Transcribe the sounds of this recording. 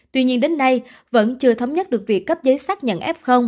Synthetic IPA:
t̪wi˧ɲi˧ənɗe˨˦nːa˧j | və̰˧˥nt͡ɕɨ˧ət̪ʰə˨˦wŋ͡mɲə˦˥t̚ɗɨ˨˩ək̚vi˨˩əkːə˦˥p̚zəː˨˦jsaː˦˥k̚ɲə̰˧˨nʔɛ˦˥p̚xə˧wŋ͡m

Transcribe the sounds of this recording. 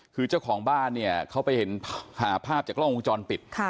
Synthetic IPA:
kʰɯː˧t͡ɕa˥˩wkʰɔː˩˦ŋbaː˥˩nːi˥˩ɐkʰa˦˥wpa˧jhe˩˦nʰhaː˩˦pʰaː˥˩p̚t͡ɕaː˨˩k̚lɔ˥˩ŋu˧˦t͡ɕɔː˧npi˨˩t̪̚kʰ

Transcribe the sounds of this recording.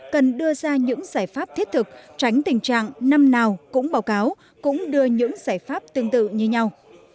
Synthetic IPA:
kə˨˩nɗɨ˧əzaː˧ɲɨ̰˧˥ŋzaː˧˩jfaː˦˥p̚t̪ʰi˦˥ət̚t̪ʰɨ˨˩k̚t͡ɕa˨˦jŋ̟t̪ï˨˩ŋ̟t͡ɕa̰ː˧˨ŋna˧mnaː˨˩wkʊ̰˧˥ŋ͡mɓaː˨˦wkaː˨˦w | kʊ̰˧˥ŋ͡mɗɨ˧əɲɨ̰˧˥ŋz̥aː˧˩jfaː˦˥p̚t̪ɨ˧əŋt̪ɨ̰˧˨ɲɨ˧ɲa˧w

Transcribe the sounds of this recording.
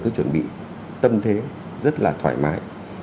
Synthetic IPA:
kaː˨˦jt͡ɕwə˧˩nɓḭ˧˨ | t̪ə˧mt̪ʰe˨˦ | zə˦˥t̚laː˨˩t̪ʰwaː˧˩jmaː˨˦j

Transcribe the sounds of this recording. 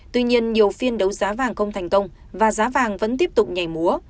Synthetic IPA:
t̪wi˧ɲi˧ənɲi˨˩əwfi˧ənɗə˨˦wzaː˨˦vaː˨˩ŋxə˧wŋ͡mt̪ʰɛ˨˩jŋ̟kə˧wŋ͡m | vaː˨˩zaː˨˦vaː˨˩ŋvə̰˧˥nt̪i˦˥əp̚t̪ʊ˨˩k͡p̚ɲa˨˩jmu˨˦ə

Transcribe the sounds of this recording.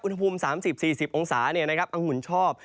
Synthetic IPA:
ʔu˧nha˧pʰuː˧msaː˩˦msi˨˩p̚siː˨˩si˨˩p̚ʔoː˧ŋsaː˩˦ni˥˩ɐna˥kʰa˦˥pʔa˧ŋːu˨˩˦nt͡ɕʰɔː˥˩p̚

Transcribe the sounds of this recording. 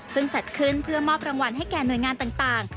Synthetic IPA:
sɯ˥˩ŋt͡ɕa˨˩t̪̚kʰɯ˥˩npʰɯ˥˩əmɔː˥˩p̚ɾa˧ŋwa˧nɦa˥˩jkɛː˨˩nu˨˩əjŋaː˧nt̪aː˨˩ŋt̪aː˨˩ŋ

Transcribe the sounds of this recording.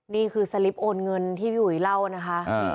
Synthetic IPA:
niː˥˩kʰɯː˧sa˧li˦˥p̚ʔoː˧nŋɤ˧nt̪ʰiː˥˩juː˨˩i˨˦la˥˩wna˦˥kʰa˦˥ʔ

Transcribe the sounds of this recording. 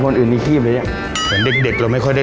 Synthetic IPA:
kʰo˧nʔɯː˨˩nːiː˧t̪ʰiː˥˩p̚e˧˦ja˧˨˩ | pʰɯ˩˦nde˨˩k̚de˨˩k̚la˧wma˥˩jkʰɔ˥˩jda˥˩

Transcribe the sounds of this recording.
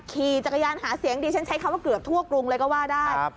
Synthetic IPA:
kʰiː˨˩t͡ɕa˨˩kʰa˧jaː˧nhaː˩˦si˨˩˦əŋdiː˧t͡ɕʰa˦˥nt͡ɕʰa˦˥jkʰa˧mwaː˥˩kɯ˨˩əp̚t̪ʰu˥˩əklu˧ŋlɤː˧jkɔː˥˩waː˥˩daː˥˩j̚

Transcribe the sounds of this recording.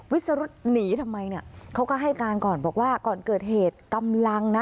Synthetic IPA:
wi˦˥t̪̚sa˧ɾu˦˥t̪̚niː˩˦t̪ʰa˧mːa˧jni˥˩ɐkʰa˦˥wkɔː˥˩ɦa˥˩jkaː˧nkɔː˨˩nbɔː˨˩k̚waː˥˩kɔː˨˩nkɤː˨˩t̪̚heː˨˩t̪̚ka˧mla˧ŋna˦˥

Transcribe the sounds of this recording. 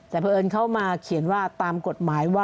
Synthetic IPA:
t͡ɕ̪aː˨˩pʰɤː˧ʔɤː˧nkʰa˥˩wmaː˧kʰi˨˩˦ənwaː˥˩t̪aː˧mko˨˩t̪̚maː˩˦jwaː˥˩

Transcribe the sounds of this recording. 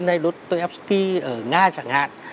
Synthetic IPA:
na˧jlo˦˥t̚t̪o˧jʔɛ˦˥p̚ski˧ʔəː˧˩ŋaː˧t͡ɕa̰ː˧˩ŋha̰ː˧˨n

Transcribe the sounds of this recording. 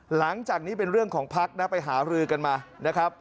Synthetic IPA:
la˩˦ŋt͡ɕaː˨˩k̚niː˦˥pe˧nɾɯ˥˩əŋkʰɔː˩˦ŋpʰa˦˥k̚na˦˥pa˧jɦaː˩˦ɾɯː˧ka˧nmaː˧na˦˥kʰɾa˦˥p̚

